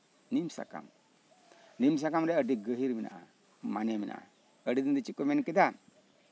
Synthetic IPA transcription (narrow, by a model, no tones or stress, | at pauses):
nimsa̰ka̰m | nims̬akamɾɛəɖiɡəɦiɾmina̰ʔa̰ | maneminʔa̰ʔa̰ | əɖid̪ind̪it͡ʃikːɔmɛnkid̪a